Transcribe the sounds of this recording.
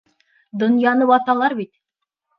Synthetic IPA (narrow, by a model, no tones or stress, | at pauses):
d̪ŏnjɑnɤbɑt̪ɑlˠɑɾbit̪